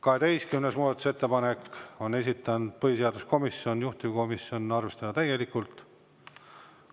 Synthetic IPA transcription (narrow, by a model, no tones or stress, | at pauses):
kɑɦe̞d̪e̞jskymnesmuːd̪ɑt̪ːu̥set̪ːe̞pɑne̞ko̞ne̞sit̪ːˑɑnd̪̥̚pɤɦise̞ɑd̪usko̞misːjo̞njuht̪ivko̞misjo̞nɑrve̞st̪ɑd̪̥ɑt̪æje̞likːˑult̪ˑ